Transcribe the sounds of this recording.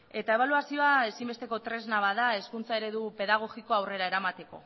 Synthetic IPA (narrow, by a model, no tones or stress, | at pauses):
e̞t̪aeβ̞aluasio̞ae̞simbe̞st̪e̞ko̞t̪ɾe̞znaβaðae̞skunt͡sae̞ɾe̞ðupe̞ðaɣ̞o̞ɣiko̞awre̞ɾae̞ɾamat̪e̞ko̞̰